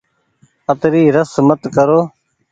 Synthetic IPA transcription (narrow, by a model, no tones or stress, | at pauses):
ət̪ɾiːɾəsmət̪kəɾoː